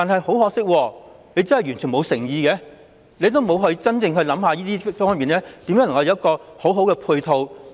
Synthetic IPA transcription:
t̪aː˨nɦɐ˨jho˨˥whɔː˨ksɪ˥k̚wɔː˧ne˨˧jt͡sɐ˥nhɐ˨jɥyː˨˩nt͡ʃʰyː˨˩nmo˨˧wsɪ˨˩ŋjiː˧kɛː˨˥ | ne˨˧jt̪̬o˥wmo˨˧wɦɔː˧˥jiː˧t͡sɐ˥nt͡sɪ˧ŋɦɵ˧ɥlɐ˨˥mhaː˨˧jiː˥t̪iː˥fɔ˥ŋɐ˨miː˨nɛː˥t̪iː˨˥mjːŋlŋkɐ˧jkɔː˧ho˨˥wɦo˨˥wkɛ˧pʰuː˧jt̪ʰo˧w

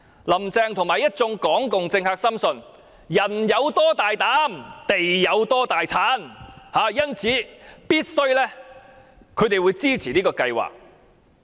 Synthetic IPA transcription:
lɐ˨˩mt͡sɛː˧ŋt̪ʰʊ˨˩ŋmaː˨jɐ˥t̚t͡sʊ˧˥ŋkɔː˨˥ŋkʊ˨ŋt͡sɪ˧ŋhaː˧k̚sɐ˥msɵ˧n | jɐ˨˩njɐ˨˧wt̪ɔː˥t̪aː˨jt̪aː˨˥mt̪e˨jːɐ˨˧wt̪ɔː˥t̪aː˨jt͡sʰaː˨˥nhaː˨˧jɐ˥nt͡sʰiː˨˧piː˥t̚sɵ˥ɥlɛː˥ | kʰːɵ˨˧ɥt̪̬e˨jwuː˨˧jt͡siː˥t͡sʰiː˨˩niː˥kɔː˧kɐ˧jwa̰ː˨k̚

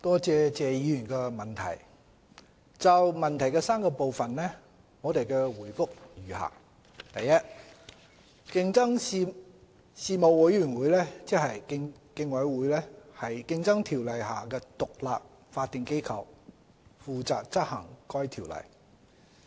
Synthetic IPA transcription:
t̪ɔː˥t͡sɛː˧t͡sɛː˨jiː˨˧jy˨˩nkɛ˧mɐ˨˩nt̪ʰɐ̰˨˩j | t͡sɐ˨wmɐ˨nt̪ʰɐ˨˩jkɛː˧saː˥mkɔː˧po˨wfɐ˨nlɛ˥ | ŋɔː˨˧t̪e˨jkɛː˧wuː˨˩jfʊ˥k̚jyː˨˩ha̰ː˨˩ | t̪ɐ˨jːɐ˥t̚ | kɪ˧ŋt͡sɐ˥ŋ | siː˨˧mo˨wwɐ˨˥jyː˨˩nwuː˨˧˥jlɛː˥t͡sɛ˥ɦɐ˨jkɪ˧ŋ | kɪ˧ŋwɐ˨˥jwuː˨˧jlɛː˥hɐ˨jkɪ˧ŋt͡sɐ˥ŋt̪ʰiː˨˩wlɐ˨˩jɦaː˨kɛː˧t̪ʊ˨k̚laː˨p̚ | faː˧t̪ɪ˨ŋke˥jkʰɐ˨˧w | fuː˨˧t͡sa̰ː˨k̚t͡sɐ˥t̚hɐ˨˩ŋkɔː˥jt̪ʰiː˨˩wlɐ̰˨˩j

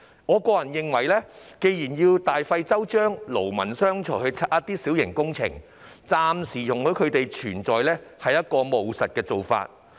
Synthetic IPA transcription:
ŋɔː˨˧kɔː˧jɐ˨˩njɪ˨ŋwɐ˨˩jlɛː˥ke˧jjiː˨˩njiː˧wt̪aː˨jfɐ˧jt͡sɐ˥wt͡ʃœː˥ŋlo˨˩wmɐ˨˩nsœː˥ŋt͡ʃʰɔː˨˩hɵ˧t͡sʰɐ˧t̚ʔɐ˥t̪iː˥si˨˥wjɪ˨˩ŋkʊ˥ŋt͡sʰɪ̰˨˩ŋ | t͡saː˧msiː˨˩jʊ˨˩ŋhɵ˨˥ɥkʰɵ˨˧ɥt̪e˨jt͡ʃʰyː˨˩nt͡sɔː˨˧jlɛː˥hɐ˨jːɐ˥t̚kɔː˧mo˨wsɐ˨t̚kɛː˧t͡so˨wfa̰ː˧t̚

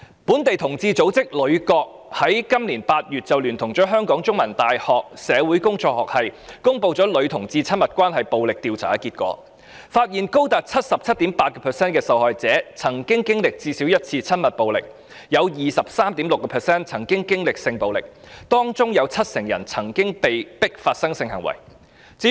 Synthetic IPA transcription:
puː˨˥nt̪e˨jt̪ʰʊ˨˩ŋt͡siː˧t͡so˨˥wt͡sɪ˥k̚lɵ˨˧˥ɥkɔː˧k̚hɐ˨˥jkɐ˥mliː˨˩npaː˧t̚jyː˨˩t̚t͡sɐ˨wlyː˨˩nt̪ʰʊ˨˩ŋt͡sɔː˨˥ɦœː˥ŋkɔː˨˥ŋt͡sʊ˥ŋmɐ˨˩nt̪aː˨jhɔː˨k̚sɛː˨˧wuː˨˥jkʊ˥ŋt͡sɔː˧k̚hɔː˨k̚hɐ˨jkʊ˥ŋpo˧wt͡sɔː˨˥lɵ˨˧ɥt̪ʰʊ˨˩ŋt͡siː˧t͡sʰɐ˥nmɐ˨˩t̚kʷwaː˥nɦɐ˨jpo˨wlɪ˨k̚t̪iː˨wt͡sʰaː˨˥kiː˧t̚kʷɔ̰ː˨˥ | faː˧t̚jiː˨nko˥wt̪aː˨˩t̚t͡sʰɐ˥t̚sɐ˨p̚t͡sʰɐ˥t̚t̪iː˨˥mpaː˧t̚kɔː˧pʰɛ˨sɛː˥nkɛː˧sɐ˨˧whɔː˨jt͡sɛː˨˥t͡sʰɐ˨˩ŋkɪ˥ŋkɪ˥ŋlɪ˨k̚t͡siː˧si˨˥wjɐ˥t̚t͡sʰiː˧t͡sʰɐ˥nmɐ˨˩t̚po˨wlɪ̰˨k̚ | jɐ˨˧wjiː˨˩sɐ˨p̚saː˥mt̪iː˨˥mlʊ˨kːɔː˧pʰɛː˨sɛː˥nt͡sʰɐ˨˩ŋkɪ˥ŋkɪ˥ŋlɪ˨k̚sɪ˧ŋpo˨wlɪ˨˩k̚ | t̪ɔː˥ŋt͡sʊ˥ŋjɐ˨˧wt͡sʰɐ˥t̚sɪ˨˩ŋjɐ̰˨˩nt͡sʰɐ˨˩ŋkɪ˥ŋpe˨jpɪ˥k̚faː˧t̚sɐ˥ŋsɪ˧ŋhɐ̰˨˩ŋwɐ̰˨˩j | t͡siː˨˥

